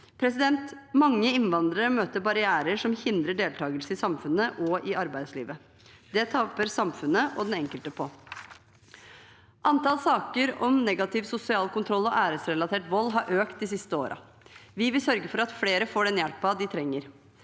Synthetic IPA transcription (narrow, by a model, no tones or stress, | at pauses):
pʰɾɛsɪd̪ɛnt̪mɑŋːəɪnʋɑnd̪ɾəɾəmøːt̪əɾbɑɾɪæːɾəʂɔmhɪnd̪ɾəɖeːlt̪ʰɑːɡəlsəɪsɑmfʉnəʔɔʔɪɑɾbæɪd̪slḭːʋə | d̪ɛt̪ʰɑpːəɾsɑmfʉnəʔɔd̪ɛnɛŋkəlt̪əpʰɔ | ʔɑnt̪ɑːlsɑːkəɾɔmnɛɡɑt̪ʰɪʋsʊsɪɑːlkʰʊnt̪ʰɾɔlːɔʔæːɾəsɾɛlɑt̪ʰeːʈʋɔlːɦɑɾʔøːkt̪̚d̪ɪs̬ɪst̪əo̰ːɾʔɑ̰ | ʋɪʋɪlsœɾɡəfɔɾɑt̪fleːɾəfoːɖɛnjɛlpɑd̪ɪt̪ʰɾɛŋːəɾ